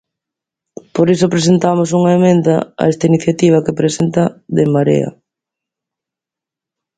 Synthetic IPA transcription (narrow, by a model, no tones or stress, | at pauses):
poɾisopɾesent̪amos̬uŋaemẽnd̪aa̰est̪ainiθjat̪iβ̞ɐkepɾesent̪aðemaɾḛa̰